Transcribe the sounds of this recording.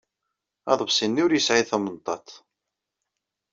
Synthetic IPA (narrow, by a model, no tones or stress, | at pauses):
ɑ̰ðˤvsinːʊɾjəsʕiθæmənt̪ˤɑt̪ˤ